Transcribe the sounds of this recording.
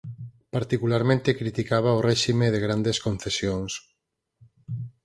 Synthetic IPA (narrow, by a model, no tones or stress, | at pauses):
paɾt̪ikulaɾmẽnt̪ekɾit̪ikaβ̞aorɛʃimeðeɣɾand̪eskõn̟θesjoŋs